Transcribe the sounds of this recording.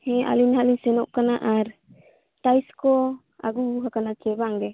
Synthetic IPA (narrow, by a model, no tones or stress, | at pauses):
hɛ̃ʔa̰linɦalinsɛnɔʔkanaʔaɾ | ʈajskɔ | a̰ɡubuɦakanakɛbaaŋɡɛ